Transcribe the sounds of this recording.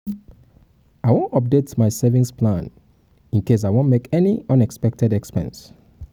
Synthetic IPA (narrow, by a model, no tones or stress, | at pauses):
aɪwõntɔp̚detmaɪsɛvĩŋspʰlãn | ĩnkes̬ajwõnmekɛniʌ̃nɛkspɛk̚tɛdɛkspɛ̰̃ns